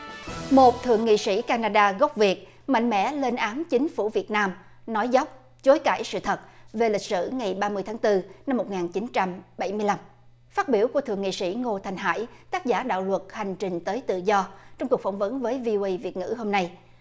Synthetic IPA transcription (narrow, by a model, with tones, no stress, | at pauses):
mo˨˩t̚t̪ʰɨ̰˧˨əŋḭ˧˨sḭ˧˥kaː˧naː˧ɗaː˧ɣɔ˦˥wk͡p̚vi˨˩ət̚ | ma̰˧˨ŋ̟mɛ̰˧˥le˧nʔaː˨˦nt͡ɕï˨˦ŋ̟fu˧˩vi˨˩ət̚naː˧m | nɔ˨˦jzɔ˦˥wk͡p̚ | t͡ɕo˨˦jka̰ː˧˩jsɨ̰˧˨t̪ʰə˨˩t̚ve˨˩lï˨˩k̟̚sɨ̰˧˨ŋa˨˩jɓaː˧mɨ˧əjt̪ʰaː˨˦ŋt̪ɨ˧na˧mːo˨˩t̚ŋaː˨˩nt͡ɕi˨˦nt͡ɕa˧mɓa˧˩jmɨ˧əjla˧m | faː˦˥t̚ɓi˧˩əwku˧˩ət̪ɨ˧˨əŋḭ˧˨sḭ˧˥ŋo˧t̪ʰa˨˧˩jŋ̟ɦa̰ː˧˩jt̪aː˦˥k̚zaː˧˩ɗa̰ː˧˨wlwə˨˩t̚ha˨˩jŋ̟t͡ɕï˨˩ŋ̟t̪əː˨˦jt̪ɨ̰˧˨zɔ˧t͡ɕɔ˧ŋ͡mku˨˩əkfa˧˩wŋ͡mvə˨˦nvəː˨˦jvi˧ʔo˧ʔə˧jvi˨˩ət̚ŋɨ̰˧˥ɦo˧mna˧j